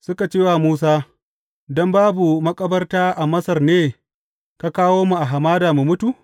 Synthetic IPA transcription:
sʊ˦ka˨t͡ʃeː˦waː˨muː˦s̬aː˦ | dɔ˦mbaː˦bu˨mɐ˦kʼɐ˦bɐ˦rtaː˦ʔa˨mɐ˦sɐ˨rneː˦ | ka˦kaː˦woː˦mu˨ʔa˨ɦa˨maː˦daː˨mu˨mʊ˦tu˨ʔ

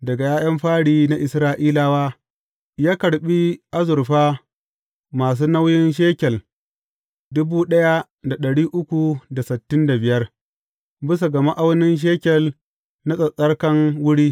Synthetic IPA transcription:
dɐ˨ɡa˨jaː˦jɐ˦mɸaː˦ɽiː˦na˦ʔɪ˨sɾaː˦ʔiː˦laː˦waː˦ | jaː˦kɐ˨ɽɓi˦ʔa˦zʊ˨ɾɸaː˦ | maː˨s̬uː˦na˦wjɪ˦nʃ̬eː˦kʲɛ˨l | dʊ˦buː˦ɗɐ˦ja˦ | da˨ɗɐ˨ɽiː˦ʔʊ˦kʷu˨da˨sɪ˨tːɪ˦nda˨bɪ˨jɐ˦r | bɪ˦s̬a˨ɡɐ˨ma˦ʔa˦wnɪ˦nʃ̬eː˦kʲɛ˨l | na˦sʼɐ˨sʼɐ˦rkɐ˦ŋwʊ˦ɽiː˦

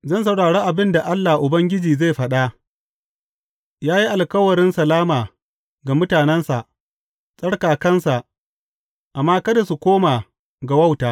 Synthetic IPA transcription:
zɐ˦nsa˨wɽaː˨ɽeː˦ʔa˨bɪ˦nda˨ʔa˦lːa˨hʔʊ˨bɐ˦ŋɡʲɪ˦d͡ʒiː˨ze˦˨jɸɐ˦ɗa˦ | jaː˦ji˦ʔa˨lkɐ˦wɐ˨ɽɪ˦nsɐ˨laː˦maː˨ | ɡa˨mʊ˦taː˨nɛ˦nsa˨ʔ | sʼɐ˦ɽkaː˨kɐ˦nsa˨ʔ | ʔa˨mːaː˦kɐ˦da˨su˨kʷoː˦maː˨ | ɡa˨wɐ˦˨wtaː˨

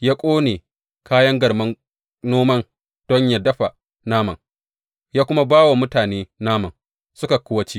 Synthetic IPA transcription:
jaː˦kʷʼoː˦neː˨ | kaː˦jɐ˦ŋɡɐ˨mɐ˦n | noː˦mɐ˦n | d̥ɔ˦ɲja˨dɐ˦ɸa˨ | naː˦mɐ̰˨ŋ | jaː˦kʷʊ˦ma˦baː˦wa˨mʊ˦taː˨neː˦naː˦mɐ˨n | sʊ˦ka˨kʷʊ˦wɐ˦t͡ʃi˦

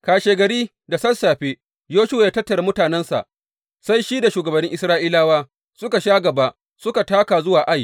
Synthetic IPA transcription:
kaː˨ʃeː˨ɡɐ˨ɾiː˦ | da˨sɐ˦saː˨ɸe˦ | joː˦ʃʊ˦wa˨jaː˦tɐ˦tːɐ˨ɾa˦mʊ˦taː˨nɛ˦nsa̰˨ʔ | sa˦jʃi˦da˨ʃuː˨ɡɐ˨bɐ˨nːɪ˦ŋʔɪ˦sɾaː˦ʔiː˦laː˦waː˦ | sʊ˦ka˨ʃaː˦ɡɐ˨ba˦ | sʊ˦ka˨taː˦ka˨zʊ˦waː˨ʔa˦j

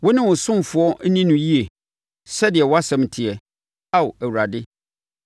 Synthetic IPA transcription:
wɔ˦nɪ̃˦wʊ˨sʊ̃˦m˨fʊ˨˦ɔ˦nĩ˦nʊ̃˨ji˦e˨ | sɛ˦dɪ˨ɛ˨wɔ˦a˦sɛ̃˨m˨tʰɪ˨ɛ˨ | a˦ʊ˨æ˨wu˨ɾa˨dɪ˦

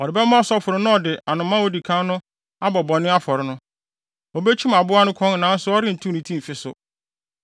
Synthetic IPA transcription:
ɔ˨ɾɪ˨bɛ˦mã˦ɔ˨sɔ˦fʊ˨ɾɪ˦nʊ̃˦ɔ˨dɪ˨ʔa˨nʊ̃˨mːã˦o˦di˨kʰã˦nʊ̃˦ | a˦bɔ˨bɔ̃˨nːɪ̃˦a˦fɔ˨ɾɪ˦nʊ̃˦ | ɔ˨be˦t͡ɕʰĩ˦m˨a˨bʊ˦a˦nʊ̃˦kʰɔ̃˦ŋ˨nãː˨˦n̩˦sʊ˦ɔ˦ɾɪ˦n̩˨tʰũ˦nĩ˨tʰĩ˦m̩˨fɪ˦sʊ˨

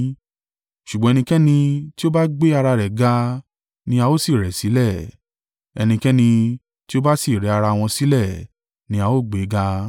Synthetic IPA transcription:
ʃu˨ɡ͡bɔ̃˨˦ɛ˧nĩ˧kɛ˦nĩ˧ti˦o˦ba˦ɡ͡be˦a˧ɾa˧ɾɛ˨ɡa˧ | nĩ˧˦a˧o˦si˦˨ɾɛ˨si˨˦lɛ˦˨ | ɛ̰˧nĩ˧kɛ˦nĩ˧ | ti˦o˦ba˦si˦˨ɾɛ˨˦a˧ɾa˧w̃ɔ̃˧si˨˦lɛ˦˨ | nĩ˧˦a˧o˦˨ɡ͡be˨˦ɡa˧

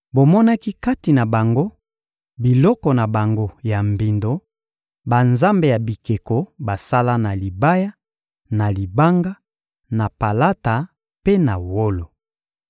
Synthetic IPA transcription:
bo˨mɔ˦na˦ki˦ka˦ti˨na˨ba˨ŋɡo˦ | bi˨lɔ˦kɔ˨na˨ba˨ŋɡo˦ja˨mbi˨ndo˨ | ba˨nza˦mbe˨ja˨bi˨ke˨ko˨ba˨sa˦la˦na˨li˨ba˦ja˦ | na˨li˨ba˦ŋɡa˦ | na˨pa˨la˦ta˨ | pe˦na˨wo˦lo˨

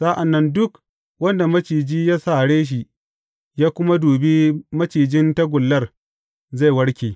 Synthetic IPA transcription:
sa˦ʔa˨nːɐ˦ndʊ˦k | wɐ˦nda˨mɐ˦t͡ʃiː˨d͡ʒiː˦jaː˦sa˦˨ɽeː˦ʃ̬i˨ʔ | jaː˦kʷʊ˦ma˦duː˨be˦mɐ˦t͡ʃiː˨d͡ʒɪ˦nta˦ɡʷʊ˨lːɐ˦r | za˦˨jwɐ˦ɽkʲeː˨

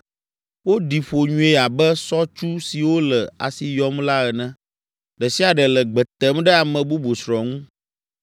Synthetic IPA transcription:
wo˦ɖi˨ɸo˨ɲũ˦e˦a˨bɛ˦sɔ˦t͡ʃu˦si˨wo˦lə˨a̰˨si˨jɔ˦mla˦ɛ˨nɛ̃˦ | ɖɛ˨si˦a˨ɖɛ˨lə˨ɡ͡bɛ˨t̪ɛ˦mɖɛ˦a˨mɛ̃˨bu˦bu˨sɾɔ˨ŋũ˦

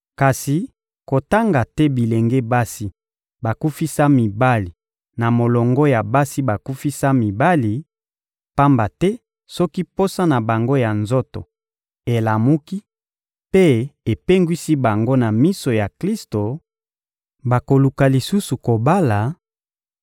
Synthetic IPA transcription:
ka˨si˨ | ko˨ta˦ŋɡa˨tɛ˦bi˨le˨ŋɡe˦ba˦si˦ | ba˨ku˦fi˦sa˦mi˨ba˦li˨ | na˨mo˨lɔ˨ŋɡɔ˦ja˨ba˦si˦ba˨ku˦fi˦sa˦mi˨ba˦li˨ | pa˦mba˨tɛ˦ | sɔ˦ki˦po˦sa˦na˨ba˨ŋɡo˦ja˨nzo˦to̰˨ | e˨la˨mu˦ki˦ | pe˦e˨pe˦ŋɡwi˦si˦ba˨ŋɡo˦na˨mi˦so˨ja˨kli˦sto˨ | ba˨ko˨lu˨ka˨li˨su˦su˨ko˨ba˦la˨

